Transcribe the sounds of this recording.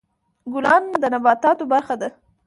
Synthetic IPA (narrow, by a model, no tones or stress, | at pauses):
ɡʊlɑnd̪ənabɑt̪ɑt̪obaɾxad̪a